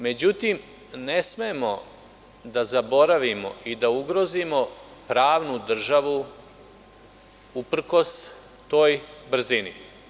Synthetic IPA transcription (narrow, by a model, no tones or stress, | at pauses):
me̞d͡ʑut̪im | ne̞sme̞mo̞ | d̪azabo̞ɾaʋimo̞̰ʔid̪auɡɾo̞zimo̞pɾaːʋnud̪r̩ʒaʋu | upr̩ko̞s | t̪o̞ːjbr̩zini